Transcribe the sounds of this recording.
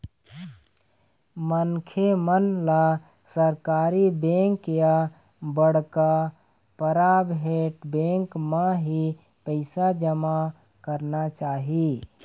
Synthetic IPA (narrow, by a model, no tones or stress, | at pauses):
mənkʰemənla | səɾkaːɾibẽːŋkja | bəɽka | pəɾaːbɦeːʈbẽːŋkmãɦi | pəɪsad͡ʒəma | kəɾnat͡ʃaːɦiː